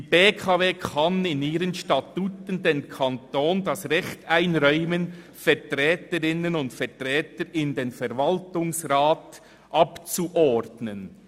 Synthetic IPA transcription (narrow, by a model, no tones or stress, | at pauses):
dib̥eːkʰaveːkʰɑnɪniːɾənʃtatutən̩deːnkʰantoːndɑsʁɛxtaɪnʁɔʏmən | fɛʁtʁɛːtəɾɪnənʊntfɛtʁɛːtəɾɪndeːnfɛɾvaltʊŋsʁaːt | ʔɑpt͡suʔɔdnən